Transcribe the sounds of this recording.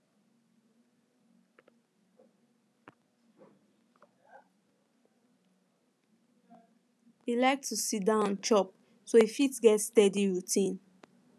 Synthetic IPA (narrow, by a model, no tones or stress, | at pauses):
ilaɪk̚tʰusit̚dãʊ̃nt͡ʃɔp̚ | soifitɡɛtstɛdiɹutʰĩn